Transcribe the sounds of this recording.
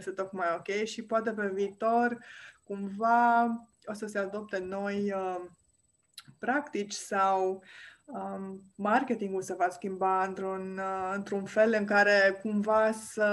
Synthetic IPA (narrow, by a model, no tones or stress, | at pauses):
st̪et̪o̞kmajo̞kʲe̞jʃipoat̪̬e̞pe̞viːt̪o̞rkumva | o̞səse̞ad̪o̞p̚t̪e̞no̞jə | pɾakt̪it͡ʃʲsaw | əmarkʲe̞t̪iŋɡulsəvaskʲimbaɨnt̪ɾunɨnt̪ɾunfe̞lɨŋkaɾe̞kumvasə